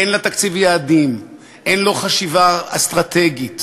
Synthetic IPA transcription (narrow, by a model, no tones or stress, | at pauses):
enlat̪akt͡sivjaːd̪im | ʔenlo̞χaʃivaast̪ʁat̪eɡit̪